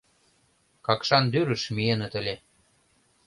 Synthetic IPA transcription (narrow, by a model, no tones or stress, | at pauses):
kɑkʃɑnd̪yɾə̆ʃmienə̆t̪ə̆lʲe